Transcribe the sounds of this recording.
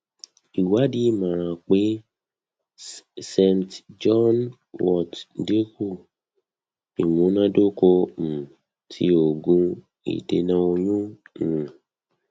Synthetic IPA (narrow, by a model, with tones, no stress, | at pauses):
i˨wa˨˦di˦˨mã˨˦ɾ̃ã˧k͡pe˦ | sɛ̃˧mtd͡ʒɔ˦n | wɔ˦˨tde˦ku˦˨ | i˨mũ˨˦nã˦do˦ko˧m̩˨ | tʰḭ˧˦o˨ɡũ˧ | ḭ˨de˨˦nã˧˦o˧jũ˦˨